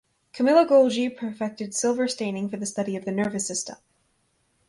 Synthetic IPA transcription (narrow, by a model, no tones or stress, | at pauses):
kʰɨmɪlˠəɡoʊlˠd͡ʒipʰəfɛk̚tɨd̥sɪlˠvə˞stẽɪ̃nɪ̃ŋfə˞ðɨstʌɾiʌvðɨnɜ˞vɨsɪstʌ̰m